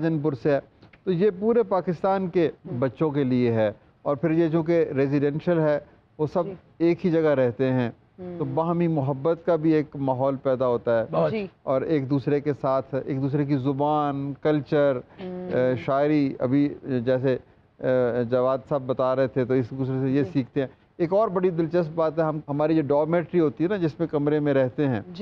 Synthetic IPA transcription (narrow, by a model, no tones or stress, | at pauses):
d͡ʒənp̬ʊɾseɦɛːt̪ojepuːɾepaːkɪst̪aːnkebɐtːʃõkelieɦɛː | ɔːɾpʰɪɾjet͡ʃõːkeɾeːzɪɖɛ̃ːnʃəlɦɛː | ʋosɐb | eːkɦid͡ʒɐɡaɾɛɦt̪eɦɛ̃ː | t̪obaːɦmimʊɦəbːət̪kabʱieːkmaːɦɔːlpɛːd̪aɦoːt̪aɦɛːɔːɾeːkd̪uːsɾekesaːt̪ʰḛːk̚d̪uːs̬ɾek̬izʊbaːnkɐlt͡ʃəɾ | ʃaːɪɾiɐ̰bʱid͡ʒɛːse | d͡ʒɐʋaːd̪saːb̚ːɐt̪aɾɐɦet̪ʰet̪oɪsd̪uːsɾesejesiːk̚ʰt̪eɦɛ̃ | eːkɔːɾbɐɽid̪ɪlt͡ʃəst̪̚baːt̪ɦɛɦɐmɦɐmaːɾid͡ʒoɖɔːmeːʈɾiɦoːt̪iɦɛnad͡ʒɪsmẽkɐmɾemẽɾɛɦt̪eɦɛ̃ː